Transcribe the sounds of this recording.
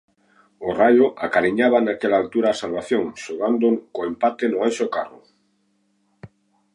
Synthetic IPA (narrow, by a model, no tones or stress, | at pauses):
orajoʔakaɾiɲaβ̞anakelaːlt̪uɾaːsalβaθjõŋʃoɣand̪okoempat̪enʊajʃokarʊ̰